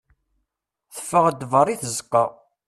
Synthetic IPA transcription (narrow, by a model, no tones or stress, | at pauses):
θə̥fːəʁəd̪vərˤiθəzqːɑ